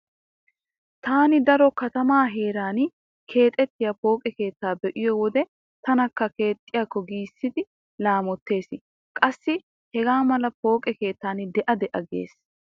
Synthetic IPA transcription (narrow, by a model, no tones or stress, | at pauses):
t̪aːnɪd̪ɐɾɔkɐt̪ɐmaːɦe̞ːɾaːn | kʰe̞ːt̪ʼɛt̪ːɪjɐpo̞ːkʼɛke̞ːt̪ːaːbɛʔɪjɔwɔd̪ɛ | t̪ɐnɐkːɐke̞ːt̪ʼːɪjakːɔɡiːsːɪd̪ɪ | laːmɔt̪ːe̞ːsɪ | kʼɐsːɪ | hɛɡaːmɐlɐpo̞ːkʼɛke̞ːt̪ːaːnd̪ɛʔɐd̪ɛʔɐɡḛːs